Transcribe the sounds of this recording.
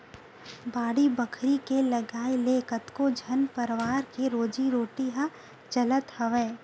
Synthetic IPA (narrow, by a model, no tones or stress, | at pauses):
baːɽibɐkʰɾikelɐɡaːilekət̪kod͡ʒʱɐnpəɾʋaːɾkeɾoːd͡ʒiɾoːʈiɦa | t͡ʃɐlət̪hɐʋeː